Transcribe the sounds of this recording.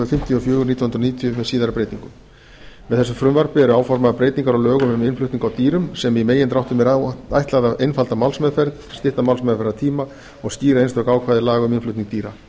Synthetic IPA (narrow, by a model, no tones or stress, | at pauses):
ʏfɪm̥t̪ʰjʏɔfjœːɣʏɾniːt̪jɔnhʏnɾɔniːt̪ʰjʏmɛðsiːðaɾʏpɾeːjt̪iŋkʏm | vɛðθɛsʏmfɾʏmvaɾ̥pɪɛɾʏaːwfɔɾmaðpɾeːjt̪iŋkaɾawlœːɣʏmʏmɪnflʏht̪iŋkawt̪iːɾʏmsɛmimeːjɪnt̪ɾawht̪ʏmɛɾa̰jht̪laðaʔejnfalt̪amawlsmɛðfɛɾt | st̪ɪht̪amawlsmɛðfɛɾðat̪ʰiːma | ɔɣsciːɾaejnst̪ɔhkaːwkʰvaːðɪɾlaːɣʏmɪnflʏht̪niŋk̚t̪iːɾa